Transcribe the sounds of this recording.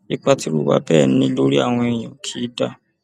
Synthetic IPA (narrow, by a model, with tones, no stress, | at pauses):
i˦k͡pa˧ti˦ɾu˦wa̰˧˦bɛː˦˨n̩˦nĩ˦lo˦ɾi˦a̰˦˨w̃ɔ̃˧e˨j̃ɔ̃˨kʰi˨˦da˦